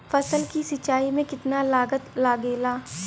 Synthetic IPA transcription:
fɐsəlkisɪt͡ʃaːimẽkɪt̪nalaːɡət̪laːɡeːlaː

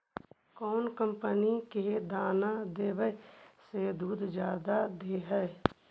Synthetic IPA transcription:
kɔːnkə̃mpəniked̪aːnad̪eːbəsed̪uːd̪ʱd͡ʒjaːd̪ad̪eɦɛː

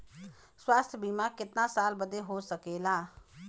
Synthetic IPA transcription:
swaːst̪ʰjəbimakɪt̪nasaːlbəd̪eɦosəkeːlaː

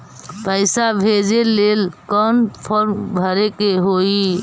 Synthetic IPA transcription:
pəɪsabʱed͡ʒelelkənpʰəɾmbʱəɾekeɦoi

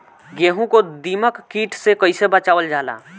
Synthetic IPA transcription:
ɡeːɦũkod̪iːməkːiːʈʰsekəɪsebət͡ʃaːʋəld͡ʒaːla̰ː

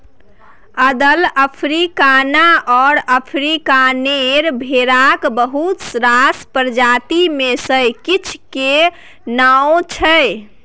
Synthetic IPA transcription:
əd̪ələpʰɾikanaʔɔɾəpʰɾikaneɾbʱeɾakbəɦut̪sɾaspəɾd͡ʒat̪imesə̃kit͡ʃʰke | naot͡ʃʰəj

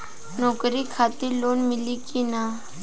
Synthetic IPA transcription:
nɔːkɾikʰat̪iɾloːnmɪlikina

